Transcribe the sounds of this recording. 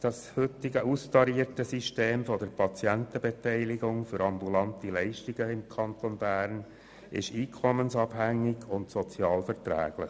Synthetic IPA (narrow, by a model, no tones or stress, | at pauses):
d̥ɑshʏt̪ɪɡəʔustɑɾiəɾtəsiʃteːmfɔdəɾpʰɑt͡sjænt̪əbetɛɪlɪɡʊŋfʏɾɑmbulɑntilɛɪʃtɪɡ̥əɪmkʰɑnt̪onbæːɾn | ɪ̰ʃiːkʰɔmənsɑb̥hæŋːɪɡʊntsɔt͡sjɑːlfɛɾtɾæ̰ːɡ̥lɪχ